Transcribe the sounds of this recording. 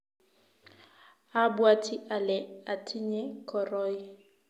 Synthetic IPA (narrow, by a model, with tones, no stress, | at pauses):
a˦bwa˦tʰi˦ʔa˨lɛ˨a˨tʰi˦ɲɛ˦kʰɔ˨rɔː˦i˦